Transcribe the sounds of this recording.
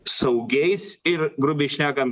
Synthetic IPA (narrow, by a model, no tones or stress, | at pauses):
sɐʊɡʲɛɪsɪɾɡɾʊbʲɪʃʲnʲæːkɐm